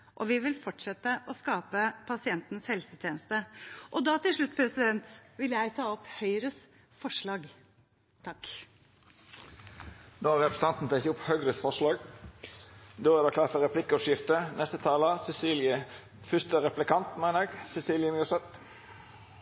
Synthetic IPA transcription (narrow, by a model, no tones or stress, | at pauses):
ʔɔʋɪʋɪlfɔʈʂɛt̪əʔɔskɑːpəpʰɑsɪɛnt̪n̩shɛlsət̪ʰjeːnəst̪əʔɔd̪ɑːt̪ɪlʂɭʉt̪ːpʰɾɛsɪd̪ɛnt̪ʋɪljæɪt̪ʰɑːɔphœʏɾəs | fɔʂɭɑːɡ | t̪ʰɑk | noːæʁɛpɾəst̪ʰɑnt̪n̩t̪ʰɛkt̪əʊphœʏɡɾəsfɔʁʂlɑːɡ | d̪oːæʁd̪ɑːklɑːt̪fɔɾɛpʰlɪkːəɔpʂɪft̪ənʔɛst̪ət̪ʰɑːləsɛsiːljə | fʏst̪əɾɛplɪkɑnt̪mæɪnəɛɡsɛsiːljənəsɛt̪